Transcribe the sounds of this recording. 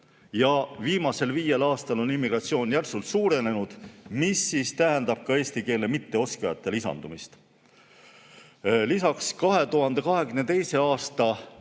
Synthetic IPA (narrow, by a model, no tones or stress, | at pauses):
jɑviːmɑse̞lviːje̞lɑːst̪ɑlo̞nimːiɡ̥ɾɑt̪sio̞ːnjærsult̪suːɾe̞ne̞nud̪̥misːist̪æɦe̞nd̪̥ɑb̥̚kɑe̞ːsʲt̪ike̞ːlemit̪ːe̞o̞skejɑ̰t̪ˑːe̞lisɑ̰nd̪̥umist̪ | lisɑkskɑɦe̞t̪uɦɑnd̪̥e̞kɑɦe̞ɡ̥yne̞t̪e̞jse̞ɑːst̪ɑ